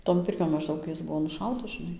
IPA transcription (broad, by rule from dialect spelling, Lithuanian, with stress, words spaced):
toːn ˈpʲɪrʲkʲoːn mɐʒˈdɐʊk ˈjɪs ˈbʊʋoː nʊˈʃɐʊtɐs ʒʲɪˈnɐɪ